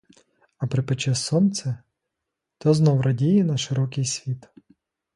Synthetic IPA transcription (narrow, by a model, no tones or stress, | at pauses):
ɐpɾɪpɪt͡ʃɛsɔnt̪sɛ | t̪ɔznɔwɾɐdʲijɪnɐʃɪɾɔkɪjsʲʋʲit̪